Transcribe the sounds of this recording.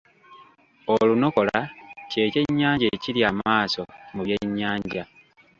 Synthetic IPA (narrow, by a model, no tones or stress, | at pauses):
oluno̞ko̞lace̞ːce̞ɲːaːɲɟeːciɾjaːmaːsomuβje̞ɲːaːɲɟa